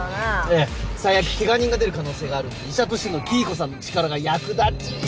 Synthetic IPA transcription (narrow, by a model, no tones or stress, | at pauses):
esaijakʲi̥keɡaɲ̟ĩŋɡad̪e̞ɾɯ̟kano̞ːse̞ːɡaːɾɯ̟niɕat̪o̞ɕino̞kʲiːko̞sãnːot͡ɕi̥kaɾaɡajakɯ̟d̪a